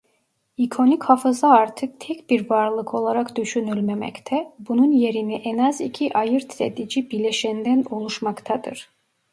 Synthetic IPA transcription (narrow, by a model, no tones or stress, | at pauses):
ikʰo̞nichafɯzaaɾt̪ʰɯk̚t̪ʰɛcbiɾvaɾlˠɯkʰo̞lˠaɾakd̪yʃynylʲmemɛ̰ct̪ʰɛbununje̞ɾiniʔɛnazicʰiʔajɯɾt̪ʰɾḛd̪id͡ʒibileʃænd̪æno̞lˠuʃmɑkt̪ʰad̪ɯ̰ɾ̥